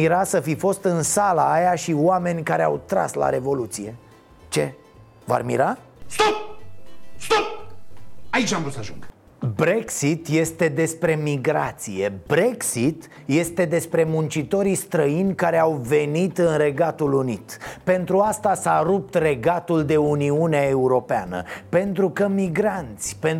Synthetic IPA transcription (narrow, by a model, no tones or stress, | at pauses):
iɾasəfifo̞st̪ɨnsalaːjaʃioame̞nʲkaɾe̞a̰wt̪ɾa̰sla̰ɾe̞vo̞lut̪sije̞ | t͡ʃe̞ | va̰rmḭɾa | st̪op | st̪op | ait͡ʃʲamvɾusaʒuŋɡ | bɾe̞ksit̪je̞st̪e̞d̪e̞spɾe̞miɡɾat̪sije̞bɾe̞ksit̪ | je̞st̪e̞d̪e̞spɾe̞munt͡ʃit̪o̞ɾist̪ɾəinʲkaɾe̞awve̞nit̪ɨnre̞ɡat̪ulunit̪pe̞nt̪ɾuast̪asaɾup̚t̪re̞ɡat̪uld̪e̞uniuneae̞uɾo̞peanə̰pe̞nt̪ɾukəmiɡɾant̪sʲpen